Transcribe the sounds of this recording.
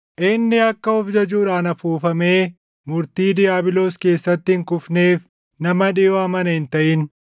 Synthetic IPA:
ʔɪnːɪɐkːɐɔfd͡ʒɐd͡ʒuːᶑaːnɐfuːfɐme̞ː | mʊɾt̪iːd̪ɪjaːbɪlo̞ːske̞ːsːɐt̪ːɪɪŋkʊfne̞ːf | nɐmɐᶑɪjomɐnɐhɪnt̪ɐʔɪn

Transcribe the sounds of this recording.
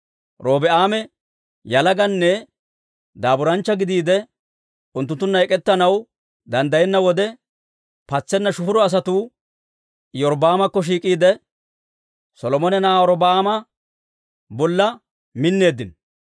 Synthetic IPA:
ɾo̞ːbɛʔaːmɛ | jɐlɐɡɐnːɛ | d̪aːbʊɾɐnt͡ʃːɐɡɪd̪iːd̪ɛ | ʊnt̪ːʊnt̪ːʊnːɐɛkʼɛt̪ːɐnɐw | d̪ɐnd̪ɐjɛnːɐwɔd̪ɛ | pɐt͡sːɛnːɐʃʊfʊɾɔɐs̬ɐt̪uː | jɔɾbaːmɐkːɔʃ̬iːkʼiːd̪ɛ | sɔlɔmɔnɛnaːɔɾɔbaːmɐ | bɔlːɐ | mɪnːe̞ːd̪ːɪn

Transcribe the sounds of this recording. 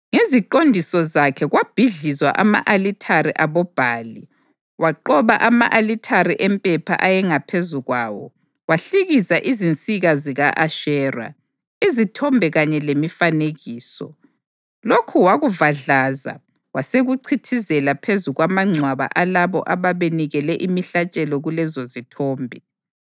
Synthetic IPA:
ŋeziǃondʱisɔzakʰɛɣwab̥ʱiɮizwa̰ʔama̰ʔalitʰaɾiʔaβɔb̥ʱaːli | waǃɔβaʔamaʔalitʰaɾiʔɛmpʼɛpʰa̰ʔajɛŋapʰezuɣwaːwɔ̰ | waɬiɣizaʔizint͡sʼiɣaziɣaʔaʃɛːra̰ | izitʰɔmbʱɛɣaɲɛlemifaneɣiːsɔ̰ | lokʰuwaɣuvaɮaza̰ | waseɣuǀʰitʰizɛlapʰezuɣwamaŋ͡ǀʱwaβa̰ʔalaβɔ̰ʔaβaβeniɣɛlɛʔimiɬat͡ʃʼɛlɔɣulɛzozitʰɔːmbʱi

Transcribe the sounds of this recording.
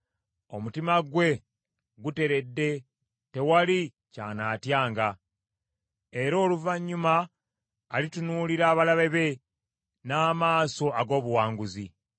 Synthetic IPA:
o̞mutimaɡwe̞ | ɡute̞ɾe̞dːe̞ | te̞wali | ca̰ːnaːtjaːŋɡa | e̞ɾo̞ːluvaɲːumaː | litunuːliɾaːβalaβe̞βe̞ | naːmaːso̞aɡo̞ːβuwaːŋɡuzi

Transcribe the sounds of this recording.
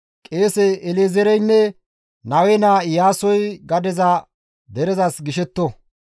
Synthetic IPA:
kʼeːsɛːlezɛɾɛjnːɛ | nɐwɛnaːjaːsɔjɡɐd̪ɛzɐ | d̪ɛɾɛzɐsɡɪʃɛt̪ːɔ

